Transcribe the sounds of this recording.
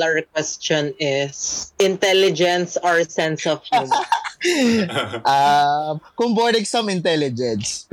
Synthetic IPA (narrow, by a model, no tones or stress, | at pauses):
ɐɹkwɛst͡ʃɔ̃nɪsʔɪ̃nt̪ɛlɪd͡ʒɛ̃nsaɹsɛ̃nsɔfhu | ʔamkʊmbɔɾɪksɐ̃mɪ̃nt̪ɛlɪd͡ʒɛ̃ns